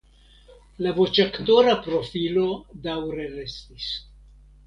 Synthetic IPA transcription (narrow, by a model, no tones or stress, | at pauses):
lavo̞t͡ʃakto̞ɾapɾo̞filo̞dawɾe̞ɾe̞stis